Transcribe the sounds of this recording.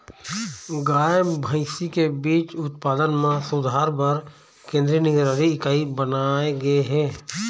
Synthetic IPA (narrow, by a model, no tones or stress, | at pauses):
ɡaːbʱə̃ɪsikebiːt͡ʃʊt̪paːd̪ənmẽsʊd̪ʱaːɾbəɾ | kẽːnd̪ɾinɪɡɾaɾiɪkaːibənaːeɡəeɦɛː